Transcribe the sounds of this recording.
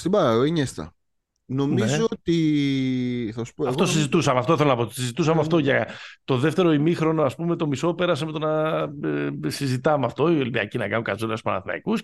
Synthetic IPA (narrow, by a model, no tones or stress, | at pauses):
st̪ibɐɐoiɲest̪ɐ̰ | no̞mniezoot̪i | θɐsu̥poɐft̪osizit̪usɐmɐft̪o̞θelonɐpot̪sizit̪usɐmeaft̪o̞ʝɐt̪o̞ðe̞ft̪e̞ɾo̞imixɾo̞noɐspume̞t̪o̞miso̞pe̞ɾɐseme̞t̪onɐ | sizit̪ɐmeɐft̪o̞ielpiɐ̰cinɐkɐnukɐzonɐsspɐnɐ̰θinɐ̰ikus